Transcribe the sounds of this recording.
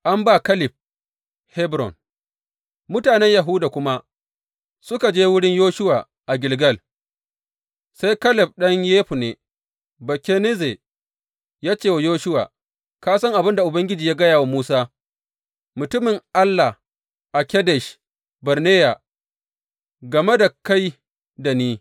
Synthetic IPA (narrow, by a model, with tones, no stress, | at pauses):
ʔa˦mbaː˦˨kɐ˦lɪ˨ɸ̚ | hɛ˦bɾɔ̰˨n | mʊ˦taː˨nɛ˦ɲja˨ɦu˦daː˨kʷʊ˦ma˦ | sʊ˦ka˨d͡ʒeː˦wʊ˦ɽɪ˦ɲjoː˦ʃʊ˦waː˨ | ʔa˨ɡʲɪ˨lɡɐ˦˨l | sa˦jkɐ˦lɪ˨p̚ɗɐ˦ɲjeː˦ɸu˨neː˨ | bɐ˨kʲe˦ne˦ze˨ | jaː˦t͡ʃeː˦˨wa˨joː˦ʃʊ˦wa̰ː˨ | kaː˦sɐ˦ŋʔa˨bɪ˦nda˨ʔʊ˨bɐ˦ŋɡʲɪ˦d͡ʒiː˨jaː˦ɡɐ˦jaː˨wa˦muː˦saː˦ | mʊ˨tʊ˦mɪ˨ŋʔa˦lːa˨h | ʔa˨kʲɛ˦dɛ˨ʃ | bɐ˨ɾneː˦ja˨ | ɡɐ˨me˦da˨ka˦j | da˨niː˦